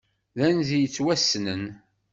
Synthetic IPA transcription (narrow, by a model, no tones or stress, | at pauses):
ðænzijət͡sːwæsːnən